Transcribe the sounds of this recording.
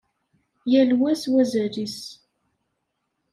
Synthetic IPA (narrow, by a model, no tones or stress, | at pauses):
jælwæswæzæɾis